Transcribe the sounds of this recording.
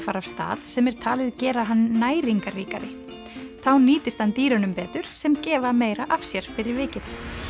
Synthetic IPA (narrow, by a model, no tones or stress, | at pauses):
faɾav̥st̪a̰ːð̥sɛmɛɾ̥t̪ʰaːlɪðcɛːɾaɦanːaːjɾiŋkariːkaɾɪ̰ | θawniːt̪ɪst̪hant̪iːɾanʏmpɛːt̪ʏɾ̥sɛmcɛːvameːjɾaʔafsjɛɾ̥fɪɾɪɾvɪːcɪð